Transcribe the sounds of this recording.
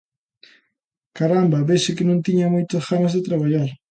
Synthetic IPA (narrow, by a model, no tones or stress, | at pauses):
kaɾambaβesekɪnʊnt̪ɪɲamojt̪oxamazd̪ɪt̪ɾaβaʎaɾ